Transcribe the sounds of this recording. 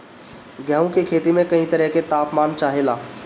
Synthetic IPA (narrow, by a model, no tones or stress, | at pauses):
ɡjaːõkekʰeːt̪imẽkɐɦĩt̪ɐɾəɦket̪aːpmaːnt͡ʃaːɦeːlaː